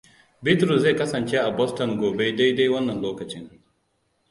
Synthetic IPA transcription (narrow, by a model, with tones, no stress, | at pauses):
bɪ˦tɾu˨sze˦˨kɐ˦sɐ˨nt͡ʃe˦ʔa˨bɔ˦stɔ˨ŋɡʷoː˨be˦da˦jda˦jwɐ˦nːɐ˨nloː˦kɐ˨t͡ʃɪ˦ŋ